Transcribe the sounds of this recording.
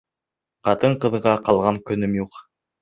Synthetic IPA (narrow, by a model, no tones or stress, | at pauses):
qɑt̪ɤɴqɤ̆ðʁɑqɑlˠʁɑŋkɵ̆nɵmjuq